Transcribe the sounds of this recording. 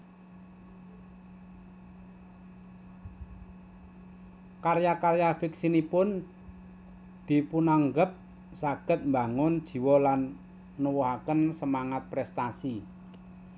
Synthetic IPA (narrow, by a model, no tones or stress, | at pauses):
karjakaɾjafiksinipʊn | d̪̥i̤punaŋɡəp̚ | saɡ̥ə̤t̪̚mba̤ŋʊnd̥ʒ̥i̤wɔlanː | uwɔɦakənsəmaŋat̪̚pɾɛst̪asi